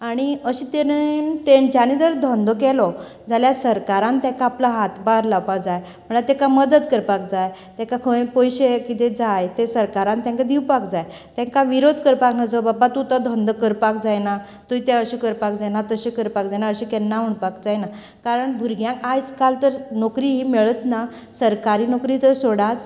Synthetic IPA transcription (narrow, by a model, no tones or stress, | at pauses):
aɽ̃iəɕit̪et̪ent͡ɕanid̪əɾd̪ʱɔ̃nd̪ɔkɛlɔ | d͡zaljasəɾkaɾãnt̪ɛ̃kaːplaɦat̪baɾlawpakd͡zaj | məɳat̪ekaməd̪əd̪kəɾpak̚d͡zaj | t̪ɛ̃kakʰə̃pojɕekit̪ed͡zajt̪esəɾkaɾãnt̪jɛ̃ŋkad̪ʱiwpakd͡zaj | t̪ɛ̃ŋkaʋiɾod̪ʱkəɾpaknad͡zəbabat̪ut̪ad̪ʱɔ̃nd̪kəɾpakd͡zajna | t̪uit̪eəɕikəɾpakd͡zajnat̪əɕĩkəɾpakd͡zajnaəɕikɛnːaɦuɳpakd͡zajna | kaɾəɳbʱuɾɡjãŋkajd͡zkalt̪əɾnokɾiɦiːmeɭət̪na | səɾkaɾiːnokɾit̪əɾsoɽat͡s